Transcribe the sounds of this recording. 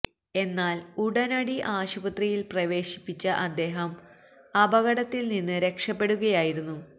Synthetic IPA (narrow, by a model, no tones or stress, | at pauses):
e̞nːaːluɽɐnɐɽiʔaːɕubɐt̪rijilprɐʋe̞ːɕi̥pːit͡ɕːɐʔɐd̪ːe̞ːɦɐm | ɐbɐɣɐɽɐt̪ːilninːɨɾe̞kʂɐpːe̞ɽuɣɐjaːjiɾunːu